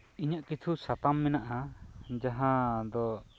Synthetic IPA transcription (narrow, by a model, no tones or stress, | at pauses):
iɲaʔkit̪ʰusat̪amːɛnaʔad͡ʒaɦãd̪ɔ